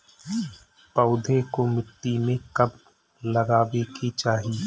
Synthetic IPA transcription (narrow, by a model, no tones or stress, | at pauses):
pəʊd̪ʱekomɪʈ̪ːimẽkɐb | lɐɡaːʋekit͡ʃaːɦi